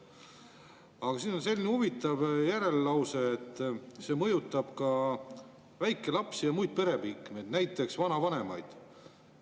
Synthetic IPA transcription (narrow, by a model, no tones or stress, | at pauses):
ɑɡ̥ɑsiːno̞nse̞lʲːinehuvit̪ːˑɑvjæɾe̞lːɑwseːt̪ːˑse̞ːmɤjut̪ːˑɑb̥kɑ | væjkːˑe̞lɑpsijɑmujd̪̥̚pe̞ɾe̞bikːˑmed̪̥næjt̪ːˑe̞ksvɑnɑvɑne̞mɑ̰jd̪̥